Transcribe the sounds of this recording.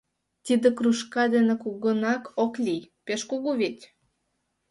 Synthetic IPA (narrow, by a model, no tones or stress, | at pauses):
t̪id̪ĕkruʃkɑd̪enekuɣənɑkʰoklʲijpeʃkoɣuβet̪ʲ